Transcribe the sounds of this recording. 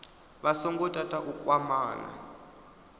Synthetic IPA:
βasɔŋɡɔtʼatʼaʔukʼwamaːna̰

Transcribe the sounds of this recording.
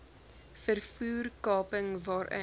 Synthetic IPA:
fərfuːrkɑːpəŋvɑːɾʔə̰

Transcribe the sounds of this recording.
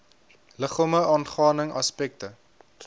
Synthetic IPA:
ləχɑːməɑːnχɑːnəŋɑspɛk̚tə

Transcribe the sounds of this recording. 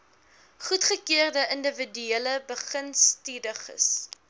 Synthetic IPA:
χutχəkiərdəʔəndəvədyeləbəχənstidəχə̰s

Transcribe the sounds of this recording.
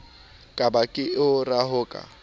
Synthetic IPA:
kʼabakʼɪɪʊraɦʊːkʼa̰

